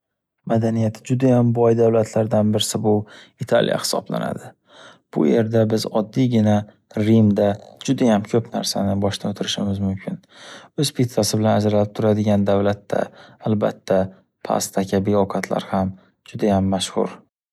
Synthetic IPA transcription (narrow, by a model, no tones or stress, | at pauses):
mad̪anijat̪ʰɪd͡ʒʊd̪ajambɒjd̪awlat̪ʰlaɾd̪anbɪɾɪsabʊɪt̪ʰa̰lʔja̰hɪ̥sɒ̰bla̰na̰d̪ɪ | b̥ʊ̰je̞ɾd̪abɪzɒd̪ːijɡʲɪna | ɾimd̪ad͡ʒʊd̪ajamkʲʰɵpna̰ɾsa̰nɪbɒʃt̪aot̪ʰɪɾɪʃɪmɪzmʊmkʲʰɪnɵz̥pʰit̪t̪asɪbɪlanad͡ʒɾalɪp̚t̪ʰʊɾad̪ɪɡʲand̪avlat̪ʰːa̰ːlba̰t̪ʰːa | pʰa̰st̪ʰakʲʰabeɒkʰat̪ʰla̰ɾham | d͡ʒʊd̪ajamːaʃhʊ̰ɾ